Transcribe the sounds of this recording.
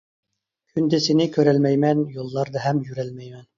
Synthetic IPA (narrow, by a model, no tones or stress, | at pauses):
kʲʰynd̪ɛsɪnɪkʲʰøɾɛlmɛjmɛnjolˠːɑɾd̪ɑɦɛmjyɾɛlmɛjmɛn